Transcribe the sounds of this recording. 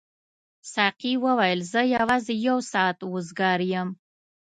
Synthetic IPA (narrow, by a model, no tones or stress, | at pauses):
sɑqiwəwajəlzəjawɑzejawsɑːt̪ʊzɡɑɾjəm